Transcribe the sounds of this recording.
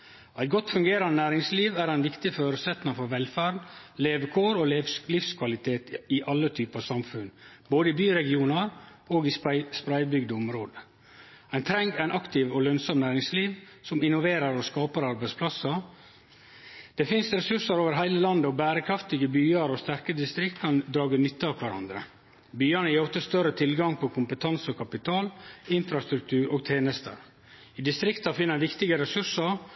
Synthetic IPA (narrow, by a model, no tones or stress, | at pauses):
æɪt̪̚ɡɔt̪ːfʉŋɡeːɾɑnənæːɾɪŋsliːʋæːɾæɪnʋɪkt̪ɪføːɾʉsɛt̪nɪfɔɾʋɛlfæːɾleːʋkʰoːɾoːllɪfskʰʋɑlɪt̪ʰeːt̪ɪʔɑlːət̪ʰyːpəɑsɑmfʉn | boːd̪əibyːɾɛɡɪuːnɑɾ | oːɡɪsspɾæɪbʏɡd̪əʊmɾoːd̪ə | æɪnt̪ʰɾɛŋɡæɪnɑkt̪ɪʋoːlœnsɔmnæːɾɪŋsliːʋsɔmɪnɔʋeːɾəɾoːskɑːpəɾɑɾbæɪtspʰlɑsɑ | d̪̥ɛfɪnsɾɛsʉʂəɾoːʋəɾɦæɪləlɑnd̪əɔbæːɾəkʰɾɑft̪ɪɡəbyːɑɾoːst̪æɾkəd̪ɪst̪ɾɪkt̪kʰɑnd̪ɾɑːɡənʏt̪ːəɑkʰʋæɾɑ̰nd̪ɾə̰ | byːənəjiːɔft̪əst̪œɾət̪ʰɪlɡɑŋpʰɔkʰʊmpət̪ʰɑnsɔkʰɑpɪt̪ʰɑːlɪnfɾɑst̪ɾʉk̚t̪ʰʉːɾʔoːɡ̚t̪ʰeːnəst̪ə̰ɾ | iːd̪ɪst̪ɾɪkt̪ɑfɪnːəʋɪkt̪ɪɡəɾɛsʉʂəɾ